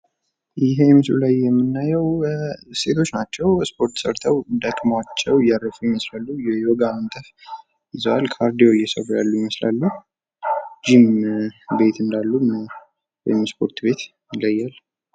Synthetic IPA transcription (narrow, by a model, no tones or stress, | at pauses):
jɪɦeɛmɨslṵlajːɛmːɨnːajɛwse̞t̪ʰo̞t͡ʃːnat͡ʃːɛwspʰo̞ɾt̪səɾt̪ʰəwd̪əkʼmat͡ʃːɛwɪjːaɾəfujɪməslalːujɛoɡamənt̪ʼʰəf | ɪzəwalkʰaɾd̪ijojːɛsəwːujalːujɪməsla̰lːuh | d͡ʒimbe̞t̪ɨnd̪alːum | wɔ̰jɪmspʰo̞ɾt̪be̞t̪ | ɪlːəjːal